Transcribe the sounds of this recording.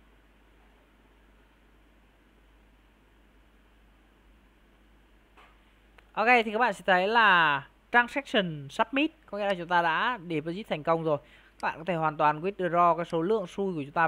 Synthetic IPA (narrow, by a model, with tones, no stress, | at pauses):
ʔo˧ke˧t̪i˨˩ka˦˥ɓa̰ː˧˨sɛ̰˧˥t̪ʰə˨˦jlaː˨˩ | t͡ɕaː˧ŋsɛ˦˥k̚sə˨˩nsaː˦˥p̚mi˦˥t̚kɔ˨˦ŋḭ˧˥laː˨˩t͡ɕʊ˨˦ŋ͡mt̪aː˧ɗa̰ː˧˥ɗe˧˩və˨˦zi˦˥t̪ʰɛ˨˩ŋ̟kə˧wŋ͡mzo˨˩j | ka˦˥ɓa̰ː˧˨kɔ˨˦t̪ʰe˧˩hwaː˨˩nt̪waː˨˩nkwi˦˥ət̚ɗɨ˨˩k̚zɔ˧kaː˨˦jso˨˦lɨ̰˧˨əŋsu˧jku˧˩ət͡ɕʊ˨˦ŋ͡mt̪aː˧